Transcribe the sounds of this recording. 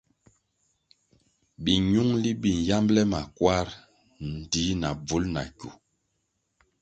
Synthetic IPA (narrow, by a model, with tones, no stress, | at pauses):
bi˨ɲu˦ŋli˦bi˨n˨ja˦mblɛ˦ma˨kwa˦ɾ | n̩˨di˨˦na˨b͡vu˦lna̰˨ku˨